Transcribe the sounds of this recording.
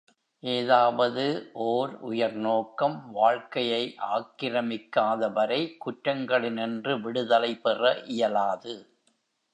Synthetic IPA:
ʔeːðaːʋɐðɯʔoːɾʊ̰jɐɾnoːkɐmʋaːɻkɐjɐɪʔaːkːɪɾɐmɪkːaːðɐʋɐɾɐɪkʊʈɾɐŋɡɐɭɪnɛndrɯʋɪɽɯðɐlɐɪpɛrɐʔɪjɐlaːðɯ

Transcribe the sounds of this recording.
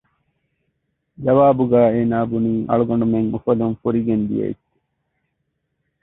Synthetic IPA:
d͡ʒɐʋaːbuɡæːeːnaːbuniːʔɐ̰ɭuɡɐɳɖumeŋmufɐlumfuɾiɡend̪ḭjɐ̰ḭt̪ːe̥

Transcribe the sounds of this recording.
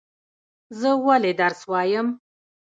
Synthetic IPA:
zəwaled̪aɾswɑjəm

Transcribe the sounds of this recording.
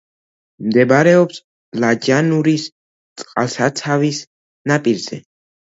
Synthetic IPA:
md̪ɛbaɾɛɔps | lad͡ʒanuɾis | t̪sʼqʼa̰lˠsat̪sʰavis | napʼiɾz̥ɛ̰

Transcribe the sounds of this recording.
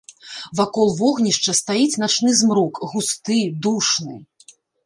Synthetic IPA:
vakɔlˠvɔɣnʲiʂt͡ʂɐst̪ajit͡sʲnat͡ʂnɨzmɾukɣust̪ɨd̪uʂnɨ

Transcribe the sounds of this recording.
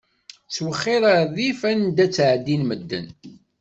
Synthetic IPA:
swəχːɪɾaɾðifænd̪æt͡sːʕd̪ːinməd̪ːə̰n

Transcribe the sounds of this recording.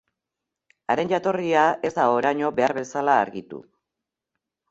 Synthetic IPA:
aɾe̞nd͡ʒat̪o̞riae̞zd̪ao̞ɾajɲo̞be̞aɾβe̞salaːɾɣit̪ṵ

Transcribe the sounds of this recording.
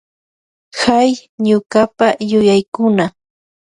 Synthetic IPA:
xajɲʊkapajʊjajkʊna

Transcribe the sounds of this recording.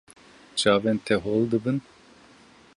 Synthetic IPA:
t͡ʃaːvɛnt̪ʰɛɦold̪ɨbɨn

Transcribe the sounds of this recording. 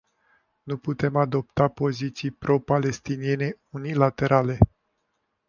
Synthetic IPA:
nuput̪e̞mad̪o̞pt̪apo̞zit̪sijpɾo̞pale̞st̪inie̞ne̞ | unilat̪e̞ɾʔale̞

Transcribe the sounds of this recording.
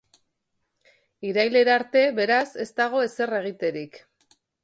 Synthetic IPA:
iɾajle̞ɾaɾt̪e̞βe̞ɾase̞st̪aɣ̞o̞e̞se̞re̞ɣ̞it̪e̞ɾik

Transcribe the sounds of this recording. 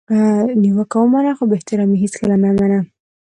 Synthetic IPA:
niwakawumanaxobeht̪ɪɾɑmiɦiskəlamamana

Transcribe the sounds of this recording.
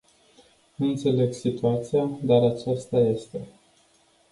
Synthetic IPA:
ɨnt̪se̞le̞ɡsit̪uat̪sijad̪aɾat͡ʃast̪aje̞st̪e̞

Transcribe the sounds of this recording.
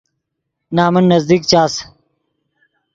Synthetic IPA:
naːmɐnːɐzd̪iːk̚t͡ɕaːs

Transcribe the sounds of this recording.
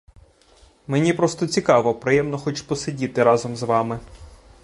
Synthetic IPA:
menʲipɾɔst̪ɔt͡sʲikɑʋɔpɾɪjɛmnɔxɔt͡ʃpɔsedʲit̪ɪɾɑzɔmzʋɑmɪ

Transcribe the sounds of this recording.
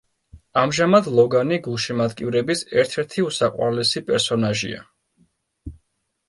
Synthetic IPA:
amʒamad̪lˠɔɡaniɡulˠʃimad̪kʼivɾɛbisɛɾt̪ʰɛɾt̪ʰiusaqʼwa̰ɾlɛsipʼɛɾsɔnaʒḭa̰

